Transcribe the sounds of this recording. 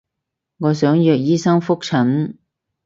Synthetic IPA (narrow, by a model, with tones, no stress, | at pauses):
ŋɔː˨˧sœː˨˥ŋjœː˨k̚jiː˥sɐ˥ŋfʊ˥k̚t͡sʰɐ˨˥ŋ